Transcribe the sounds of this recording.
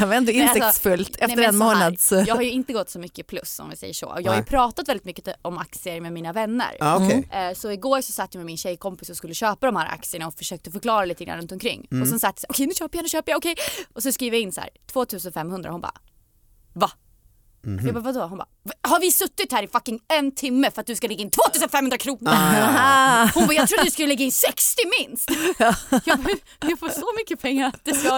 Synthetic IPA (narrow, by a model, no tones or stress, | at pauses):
avɛnd̪əɪnmɛaɛɔsfɵlt̪ɛfɛəɛmoːnad̪sjɑːɡhajɵɪnt̪əɡɔt̪ːsɔmʏkːəpʰlɵ̰sːɔ̰mvɪsɛ̰jːəʂo̰ːɔ̰jɑːɡhajʏpʰɾɑːt̪at̪vɛlɪt̪mʏkːəɔma̰k̚t̪sɪəɾmɛmiːnavɛnːə̰ɾɔkʰɛsɔɪɡoːɾʂɔsat̪ːjamɛmɪnɕɛjkʰɔmpɪsɔskɵlːəɕøːpad̪ɔmhæːɾʔa̰k̚sɪəɳaɔfœʂøːk̚t̪əfœɾkʰlɑːɾaliːt̪əɡɾa̰nɾɵnt̪ɔmkʰɾɪ̰ŋːɔsɛnsat̪ːjasæːʔɔkʰɛjnʉ̟ːɕøːpəjaɛnːɕøːpəjaɔkʰɛjɔs̬ɔskɾiːvjaɪnːshæ̰ːɾt̪ʰv̥oːt̪ʰʉ̟ːsənfɛmːhɵnd̪ɾa̰hʊnbɑ̰ː | va | jɑbɑːvad̪ɔhʊnbɑ̰ːvhaɾvɪsɵt̪ːɪt̪hæːɾɪfakːɪŋɛnt̪ʰɪmːəfœɾat̪̚d̪ɵskalɛɡaɪnt̪ʰvoːt̪ʰʉːsənfɛmhɵnd̪ɾakʰɾuːnəɾ | hʊnbɑːjɑɾuːat̪ːskɵləlɛɡːaɪnsɛkst̪ɪmɪnst̪jɑː | jɑɡfoːʂɔmʏkːəpʰɛŋːaɾat̪̚d̪ɛsɑ